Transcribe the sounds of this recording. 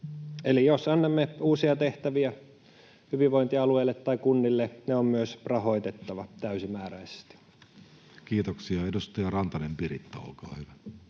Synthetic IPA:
elijosɑnːɑmːeuːsiɑt̪eht̪æʋiæ | hyʋiʋoint̪iɑlueilːet̪ːɑikunːilːeneommyøsrɑho̞it̪et̪ːɑʋɑt̪æysimæːræise̥st̪i̥ | kiːt̪oksiɑedust̪ɑjɑrɑnt̪ɑnempirḭt̪ːæo̰lkɑ̰ːhyʋæ

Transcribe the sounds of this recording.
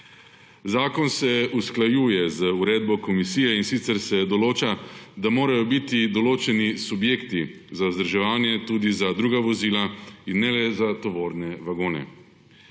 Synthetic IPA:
zaːkɔnsɛusklajuːjɛzəuɾeːd̪bɔkɔmisiːjɛinsit̪səɾsɛd̪ɔloːt͡ʃad̪amoːɾajɔbit̪id̪ɔloːt͡ʃɛnisubjeːkt̪i | zazd̪əɾʒɛʋaːnjɛt̪uːd̪izad̪ɾuːɡaʋɔziːlainːɛlɛzat̪ɔʋoːɾnɛʋaɡoːnɛ̰

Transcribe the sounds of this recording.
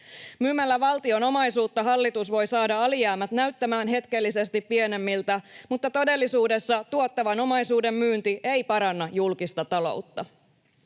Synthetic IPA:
myːmːælːæʋɑlt̪io̞no̞mɑjsuːt̪ːɑɦɑlːit̪usʋo̞jsɑːdɑɑlijæːmːæt̪næɥt̪ːæmæːnɦe̞t̪k̟e̞lːis̬e̞st̪ipːie̞ne̞mːilt̪æmut̪ːɑt̪o̞de̞lːisuːde̞sːɑt̪uot̪ːɑʋɑno̞mɑjsuːde̞mːyːnt̪ie̞jpɑɾɑnːɑjulkist̪ɑt̪ɑlo̞̰ut̪ːɑ

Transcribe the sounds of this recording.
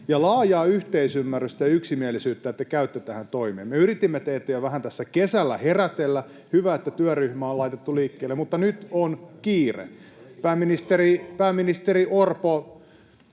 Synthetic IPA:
jɑlɑːjɑːyht̪eisymːærːyst̪æjɑyksimielisyːt̪ːæet̪ːækæyt̪ːøt̪æhænt̪oimḛːmmeyɾit̪imːet̪eːt̪ːæjoʋæhænt̪æsːækesælːæheræt̪elːæ | hyʋæet̪ːæt̪yæryhmæolɑit̪et̪ːuliːkːeːlːemut̪ːɑnyt̪onkiːrḛpæːmːinist̪eripæːmːinist̪eriʔorpo

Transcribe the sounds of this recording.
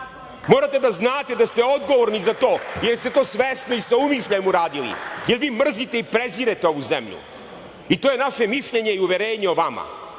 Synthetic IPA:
mo̞ːɾat̪e̞d̪aznaːt̪ed̪ast̪e̞od̪ɡo̞ʋoɾnizat̪o̞ːjeɾjst̪e̞t̪o̞ːsʋesnoisaumiʃʎajemuɾaːd̪ilḭjeɾʋiːmr̩zit̪e̞ipɾeziːɾet̪eo̞ʋuzḛmʎṵ | it̪ojenaʃe̞miʃʎeɲeiuʋeɾeːɲeoʋama̰

